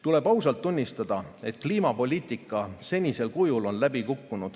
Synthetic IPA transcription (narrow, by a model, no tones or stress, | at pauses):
t̪ule̞b̥ɑwsɑlt̪ːunʲːist̪ɑd̪̥ɑe̞t̪̚ːˑkliːmɑpo̞lʲiːt̪ˑikːˑɑse̞nʲise̞lkujulo̞nlæbikukːunud̪̥